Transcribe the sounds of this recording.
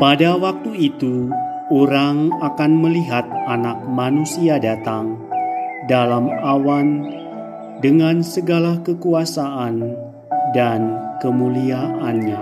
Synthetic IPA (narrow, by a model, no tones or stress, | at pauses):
padawak̚t̪uit̪u | oɾaŋakanməliɦat̪̚anak̚manusiadat̪aŋ | dalamawan | dəŋansəɡalakəkuasaʔan | dankəmuliaʔanɲa